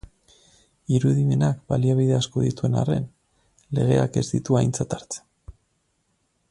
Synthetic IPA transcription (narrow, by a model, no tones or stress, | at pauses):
iɾuðime̞nakbaliaβ̞iðe̞asko̞ðit̪ue̞na̰re̞̰n | le̞ɣ̞e̞̰ake̞zd̪it̪uajnt͡sat̪aɾt͡se̥n